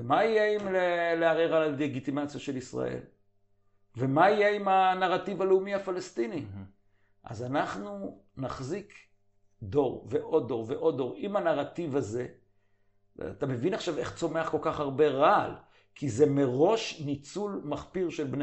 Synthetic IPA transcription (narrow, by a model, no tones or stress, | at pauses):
emaijeimleleaʁeʁalaleɡit̪imat͡sjaʃe̞lisʁa̰ʔe̞̰l | ve̞maijeimanaʁativaleumihafalest̪ini | ʔa̰zanaχnu | naχzik | d̪o̞ʁveʔo̞d̪o̞ʁveʔo̞d̪o̞ʁimanaʁat̪ivaze̞ | at̪ame̞vinaχʃave̞χt͡so̞me̞aχko̞lkaχhaʁbe̞ʁal | kʰizemeʁo̞ʃnit͡sulmaχpiʁʃe̞lbne